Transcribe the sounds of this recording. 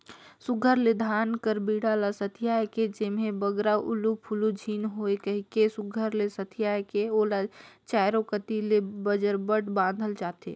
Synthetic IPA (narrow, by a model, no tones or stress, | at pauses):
sʊɡʱəɾled̪ʱaːnkəɾbiːɽalasət̪ʰijaːeked͡ʒemɦẽbəɡɾaʔʊlupʰʊlud͡ʒʱiːnɦoːekəɦikesʊɡʱəɾlesət̪ʰijaːjkeoːlat͡ʃaːɪɾokət̪ilebəd͡ʒəɾbəʈʰbãːn̆d̪ʱəlt͡ʃaːt̪ḛː